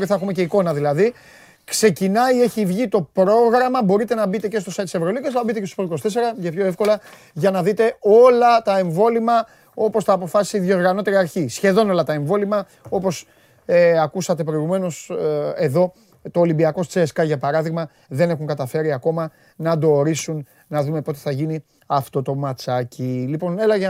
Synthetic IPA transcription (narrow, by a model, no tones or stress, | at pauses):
ɾiθɐexumece̞iko̞nɐðilɐði | kse̞cinɐieçivʝit̪o̞pɾo̞ɣɾɐmɐbo̞ɾit̪e̞nɐbit̪ece̞st̪o̞sɐjt̪isevɾolicesnɐɐbit̪e̞cest̪o̥pɾoikost̪e̞se̞ɾɐʝɐpço̞e̞fko̞lɐ | ʝɐnɐðit̪e̞o̞lɐt̪ɐe̞ɱvo̞limɐ | o̞po̞sθɐːpo̞fɐsisiðjo̞ɾɣɐno̞t̪e̞ɾiɐɾçisçe̞ðo̞no̞lɐt̪ɐe̞ɱvo̞limɐ | o̞po̞s | eɐkusɐt̪e̞pɾo̞iɣume̞no̞se̞ðo̞ | t̪o̞ːlimbiɐko̞st͡seːskɐʝɐpɐɾɐðiɣmɐ | ðe̞ne̞xuŋkɐt̪ɐfe̞ɾiɐko̞mɐ | nɐd̪o̞ːɾisunː | ɐðume̞po̞t̪eθɐʝini | ɐft̪o̞t̪o̞mɐt͡sɐcilipo̞ne̞lɐʝe